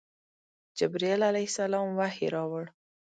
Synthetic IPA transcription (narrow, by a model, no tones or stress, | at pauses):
d͡ʒɪbɾielalajsalɑmwahḛɾɑwəɽ